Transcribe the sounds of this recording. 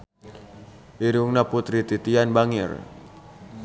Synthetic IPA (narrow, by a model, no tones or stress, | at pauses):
ʔiɾuŋnaput̪ɾit̪it̪ianbaŋɪ̰r